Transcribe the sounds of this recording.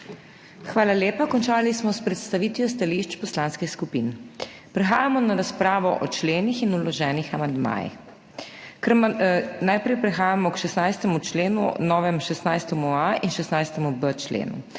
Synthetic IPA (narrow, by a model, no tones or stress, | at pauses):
xʋaːlaleːpakɔnt͡ʃaːlismɔspɾɛt̪st̪aʋit̪ʋjɔs̬t̪aliʃt͡ʃpɔslaːnskɛskupin | pɾɛxaːjamɔnaɾaspɾaːʋɔʔɔt͡ʃleːnixinulɔʒɛːnixamand̪ma̰ːjḭx | kəɾmanajpɾɛjpɾɛxaːjamɔkʃɛsnajst̪ɛmut͡ʃleːnṵnɔːʋɛmʃɛsnajst̪ɛmuaʔinʃɛsnajst̪ɛmubət͡ʃlḛːnṵ